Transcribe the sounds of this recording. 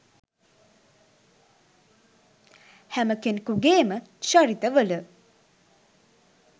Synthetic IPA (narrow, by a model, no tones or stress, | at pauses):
hæməkenkuɡeːməʃaɾit̪əʋələ